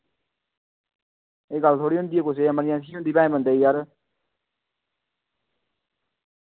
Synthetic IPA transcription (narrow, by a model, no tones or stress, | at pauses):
eːɡəlt̪ʰoːɽiːɦʊ̃nd̪iːeːkʊseːməɾɪjãːsiːɦʊ̃nd̪iːpɛ̃ːẽːbənd̪eːiːjaɾ